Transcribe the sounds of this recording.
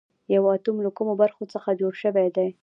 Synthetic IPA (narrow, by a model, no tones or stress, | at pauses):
jawɑt̪umlakumobaɾxot͡səxad͡ʒoɽʃəwed̪a